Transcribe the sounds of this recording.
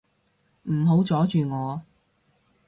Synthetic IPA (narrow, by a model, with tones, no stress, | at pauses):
m̩˨˩ɦo˨˥wt͡sɔː˨˥t͡ʃyː˨ŋɔː˨˧